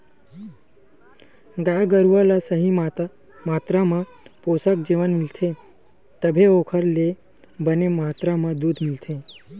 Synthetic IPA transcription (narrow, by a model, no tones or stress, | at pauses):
ɡaɡəɾuʋəlasəɦi | maːt̪ɾamã | poːsək̚d͡ʒiʋənmɪlt̪ʰe | t̪əbʱeoːkʰəɾle | bənemaːt̪ɾamãd̪uːd̪ʱmɪlt̪ʰe